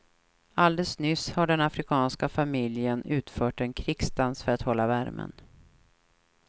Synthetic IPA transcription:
ald̪ɛlsnʏshaɖɛnafɾɪkʰɑːnskafamɪljənʉ̟ːt̪fœːʈɛnkʰɾɪksd̪ansfœɾat̪hɔlːavæɾmʔə̰n

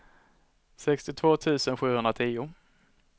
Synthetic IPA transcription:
sɛkst̪ɪt̪ʰvoːt̪ʰʉ̟ːsənɧʉ̟ːhɵnd̪ɾat̪ʰiːʊ

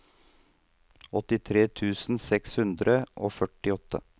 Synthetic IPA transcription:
ɔt̪ɪt̪ʰɾeːt̪ʰʉːsn̩sɛkshʉnd̪ɾəʔo̰ːfœʈːɪɔt̪ːə̰

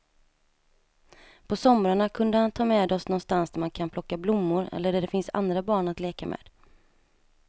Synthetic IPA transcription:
pʰɔsɔmɾaɳakʰɵnd̪əhant̪ʰɑːmɛːd̪ɔsnɔnst̪ansd̪æɾmankʰanpʰlɔkːablʊmːʊɾɛ̰lːəɖæɖɛfɪnsa̰nd̪ɾabɑːɳat̪leːkamʔɛ̰ːd̪̥

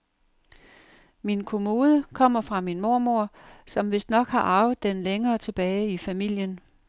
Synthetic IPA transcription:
minkʰo̝mo̝ːð̞ˠəkʰɒ̽m̰ɐfʁɑ̈minmo̝ɐmo̝ɐ̰sɒ̽mʋe̝sd̥nɒ̽ɡ̥hɑ̈ʔɑ̈ʊð̩ˠd̥enleŋɐːt͡sʰe̝b̥ɛːɪifæmil̰jən

